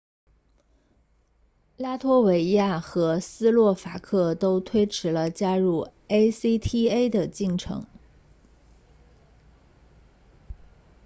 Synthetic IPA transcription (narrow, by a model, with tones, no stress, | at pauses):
la˥t̪ʰwɔ˥we˧˥ɪja˥˩xɤ˧˥sɹ̩˥lwɔ˥˩fa˧˥kʰɤ˥˩t̪o˥ʊt̪ʰwe˥ɪʈ͡ʂʰɻ̩˧˥lə˧t͡ɕja˥ɻu˥˩e˥ɪsi˥t̪ʰi˥e˥ɪd̪ə˨t͡ɕi˥˩ŋʈ͡ʂʰɤ̰˧˥ŋ